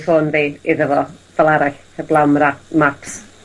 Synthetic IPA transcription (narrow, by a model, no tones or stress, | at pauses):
foːnðiːiðəvɔv̥ɛlˠaɾaɬ | əblˠawmramaps